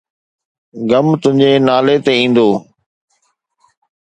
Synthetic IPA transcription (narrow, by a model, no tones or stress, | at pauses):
ɡəmt̪ʊɦɪ̃ɲd͡ʑeːnaːlet̪eːĩːn̆d̪oː